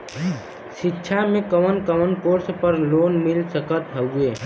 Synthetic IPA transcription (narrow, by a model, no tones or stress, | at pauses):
ʃɪtːʃʰamẽkəmənkəmənkoːɾspəɾloːnmɪlsəkət̪ɦəeː